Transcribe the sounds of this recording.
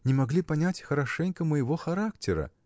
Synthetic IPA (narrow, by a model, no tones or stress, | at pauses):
nʲɪmɐɡlʲipɐnʲætʲxəɾɐʂɛnʲkəməjɪvoxɐɾaktʲɪɾə̰